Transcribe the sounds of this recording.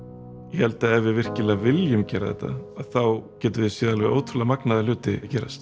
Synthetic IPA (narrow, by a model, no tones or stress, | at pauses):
jɛhɛlt̪aɛvɪvɪr̥cɪlavɪljʏmcɛːɾaðɛ̰t̪ːa̰aðθawcɛːt̪ʏvɪðsjiːðalvɛʔoːwt̪ʰɾʏlamaknaðalʏːt̪ɪcɛːɾa̰st̪